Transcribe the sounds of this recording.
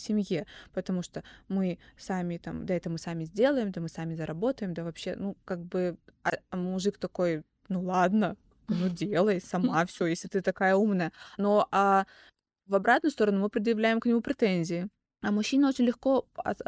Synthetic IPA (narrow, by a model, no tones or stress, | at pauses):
sʲɪmʲjepət̪ɐmuʂt̪omɨsamʲɪt̪a̰md̪aɛt̪əmɨsamʲɪzʲdʲe̞lˠəjɪmd̪amɨsamʲɪzəɾʔɐbo̞t̪əjɪmd̪avɐpɕːe̞̰nukaɡ̚bɨɐmʊʐɨkt̪ɐko̞j | nulˠad̪nə | nudʲelˠəjsɐmafsʲojesʲlʲɪt̪ɨt̪ɐkajəumnəjənoʔa | vɐbɾat̪nʊjst̪o̞ɾənumɨpɾʲɪd̪jɪvlʲæjɪmknʲɪmupɾʲɪt̪enʲzʲɪɪ | ɐmʊɕːinəot͡ɕɪnʲlʲɪxko̞ɐ̰